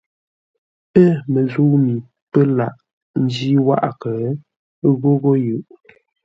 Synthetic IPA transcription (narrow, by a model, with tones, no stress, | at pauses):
ə˦˨mə˨zu˦mi˨ | pə˦la˦˨ʔ | n̩˦d͡ʒi˦wa̰˦ʔkə˨˦ | ɣo˦ɣo˦jʉ˨ʔ